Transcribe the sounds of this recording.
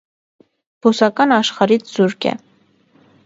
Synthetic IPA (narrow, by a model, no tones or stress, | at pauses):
b̥usɑkɑnɑʃχɑɾit͡sʰz̥uɾkɛ̰